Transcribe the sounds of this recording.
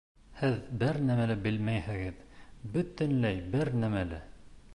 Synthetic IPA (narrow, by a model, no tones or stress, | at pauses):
hɘðbɘɾnæmælɘbɘlmæjhɘ̆ɡɘðbɵ̆t̪ɘ̆nlæjbɘɾnæmælɘ